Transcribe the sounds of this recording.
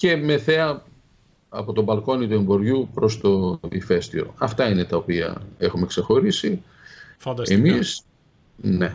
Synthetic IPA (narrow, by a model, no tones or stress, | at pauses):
ce̞me̞θe̞ɐ | ɐpo̞t̪o̞bɐlko̞nit̪ue̞mbo̞ɾʝupɾo̞st̪o̞ḭfe̞st̪io̞̰ɐft̪ɐinet̪ɐopiɐ̰exume̞kse̞xo̞ɾisi | emis | ne̞